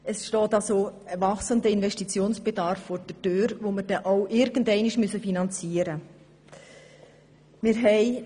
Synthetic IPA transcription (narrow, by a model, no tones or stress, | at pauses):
əsʃtɔːtɑlsoəvɑxsəndəɪnvɛʃtit͡sjoːnsb̥edɑɾfːoɾd̥ətøːɾʋoməɾd̥ɛʔoʊʔɪɾɡ̥əndɛɪnɪʃmyəsəfinɑnt͡siːəɾə | mɪːɾɦɛɪ